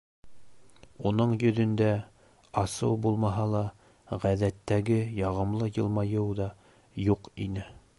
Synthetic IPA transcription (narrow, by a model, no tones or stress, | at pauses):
unɤɴjɵ̆ðɵ̆nd̪æ | ɑsɤwbulˠmɑɦɑlˠɑ | ʁæðæt̪ːæɡɘjɑʁɤ̆mlˠɤjɤ̆lˠmɑjɤwðɑ | juqḭnɘ